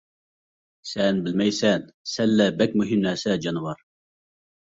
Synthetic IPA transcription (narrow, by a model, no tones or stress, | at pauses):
sɛnbɪlmɛjsɛnsɛlːæbɛk̚ʲmuɦimnæːsɛd͡ʒɑnwɑɾ